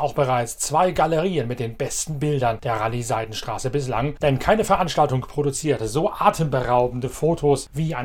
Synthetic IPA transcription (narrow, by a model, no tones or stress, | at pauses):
aʊxb̥əʁaɪt͡st͡sv̥aɪɡaləʁ̞iːənmɪt̚d̥eːnbɛstn̩bɪldɐnd̥eːɐʁalizaɪdn̩ʃtʁ̥a̰ːsəbɪs̬la̰ŋd̥ɛnkʰaɪnəfɛɐʔanʃtaltʊŋpʁ̥odut͡siːɐtəzoːʔaːtʰəmbəʁaʊbn̩dəfoːtʰosviːaɪ